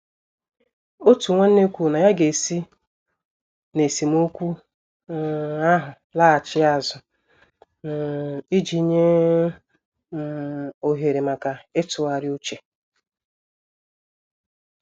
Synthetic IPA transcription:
o˦tu˨ŋʷe˦n̩˦ne˦kʷu˨na˨ja˦ɡe˨si˦ | ne˨si˨m˦o˦kʷu˦˨ | a˦ɦʊ˨ | la˦a˨t͡ʃɪ˦a˦˨zʊ˨ | n˨i˦d͡ʒi˨˦ɲe˦˨ | o˨ɦe˨ɾe˨ma˨ka˨e˦tʊ˨a˨ɾɪ˦o˦t͡ʃe˨

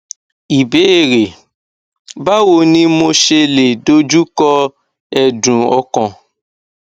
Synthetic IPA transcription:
i˨be˨˦e˦˨ɾe˨ | ba˦wo˧nĩ˦mo˧ʃe˧le˨do˨˦d͡ʒu˦kɔ˧ | ɛ˨dũ˨ɔ˧kɔ̃˧

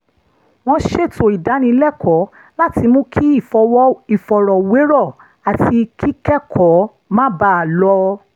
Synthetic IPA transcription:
w̃ɔ̃˧˦ʃe˦˨to˨i˨da˨˦nĩ˧˦lɛ˦˨kʰɔ˨˦ | la˦ti˧mũ˦kʰi˦i˦˨fɔ˧˦i˨fɔ˧ɾɔ˨we˨˦ɾɔ˦˨ | a˨ti˧kʰi˦kɛ˦kʰɔ˨˦ | mã˦ba˦˨lɔ˧

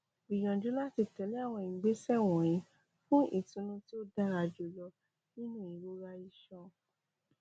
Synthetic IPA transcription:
bi˨j̃ɔ̃˨d͡ʒu˨˦la˦ti˧tɛ˨˦li˦a˦˨w̃ɔ̃˧i˨ɡ͡be˨˦sɛ˦˨w̃ɔ̃˨j̃ĩ˨˧˦ | fũ˦ʔḭ˦˨tũ˧˦nũ˧ti˦o˦da˦ɾa˧d͡ʒo˧lɔ˧ | nĩ˦nũ˦˨i˨ɾo˦ɾa˧i˧ʃɔ̃˧

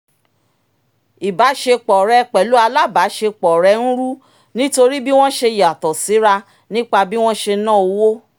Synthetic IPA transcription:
i˨ba˨˦ʃe˧k͡pɔ˨ɾɛ˧k͡pɛ˨lu˦a˧la˦˨ba˨˦ʃe˧k͡pɔ˨ɾɛ˧n̩˦ɾu˦ | nĩ˦to˧ɾi˦bi˦w̃ɔ̃˦ʃe˧ja˨tɔ˨si˨˦ɾa˧ | nĩ˦k͡pa˧bi˦w̃ɔ̃˦ʃe˧˦nãː˦˨o˧wo˦

